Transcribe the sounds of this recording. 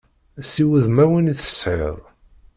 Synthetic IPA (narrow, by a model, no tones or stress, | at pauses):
siwəðmæwəniθə̥sħḛðˤ